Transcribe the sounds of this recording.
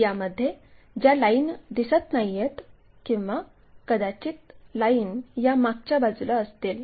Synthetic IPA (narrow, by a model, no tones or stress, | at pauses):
jaməd̪ʱːje | d͡ʑalaind̪isət̪najːet̪ | kĩw̃ʋa | kəd̪at͡ɕiːt̪lainjamak̚t͡ɕjabad͡zləəst̪el